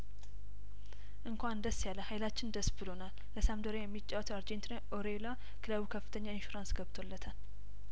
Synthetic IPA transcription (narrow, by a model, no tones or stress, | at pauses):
ʔɨŋkʷand̪əsːjaləhajlat͡ʃːɪnd̪əsbɨlonal | ləsamd̪oɾejɛmːit͡ʃʼːawt̪ʰəwaɾd͡ʒent̪ʰinaʔoɾela | kʰɨləβukʰəfːɨ̥t̪ʰəɲːaɪnʃuɾansɡəβt̪ʰolːət̪ʰən